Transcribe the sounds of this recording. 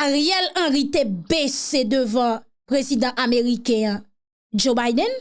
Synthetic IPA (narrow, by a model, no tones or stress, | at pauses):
aʁjɛlãʁit̪ebesed̪øvã | pʁezid̪ãʔameʁikɛ̃ã | d͡ʒobajd̪ɛ̃n